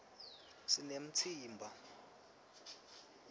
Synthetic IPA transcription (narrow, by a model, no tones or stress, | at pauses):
sinem̩t͡sʰiːmbʱa